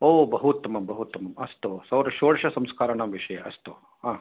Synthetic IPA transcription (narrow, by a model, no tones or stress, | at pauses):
oːbɐɦut̪mɐbɐɦut̪ːmɐmɐst̪osɐwɾɐʃoːɽʃɐsɐmskaːɾɐnɐmʋiʂɐjɐɐst̪o | ɦãː